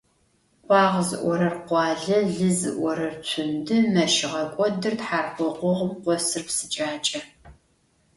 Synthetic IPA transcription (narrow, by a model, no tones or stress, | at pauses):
qʷɑːʁzɨ̰ʔʷɔɾɐrqʷɑːɮɐɮɨzɨ̰ʔʷɔɾɐrt͡sʷʰʊndɨmɐʃɪʁɐkʷʼɔdɨrtħaːrχʷɔqʷɔʁəmqʷɔsɨrpsɨt͡ʃʼaːt͡ʃʼɐ